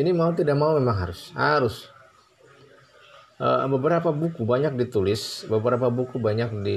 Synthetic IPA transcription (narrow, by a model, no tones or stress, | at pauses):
inimaut̪̬idaʔmaumemaŋɦa̰ɾʊshaɾʊs | ʔə̰bəbəɾapabukubaɲak̚dit̪ulɪsbəbəɾapabukubaɲak̚di